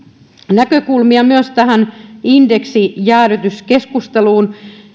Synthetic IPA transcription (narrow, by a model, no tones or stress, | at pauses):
nækøkulmiɑmyøst̪æhænindeksijæːɾøt̪yskeskust̪eluːn